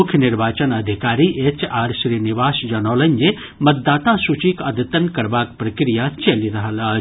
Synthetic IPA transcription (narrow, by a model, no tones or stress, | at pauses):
ʊkʰjənɪɾʋaːt͡ʃənɐd̪ʱikaːɾiʔet͡ʃaːɾʃɾiːniʋaːsd͡ʒɐnoːlɐnd͡ʒe | mɐt̪̚d̪aːt̪asut͡ʃikɐd̪t̪ənkɐɾbaːkpɾɐkɾijat͡ʃɐliɾɐɦəla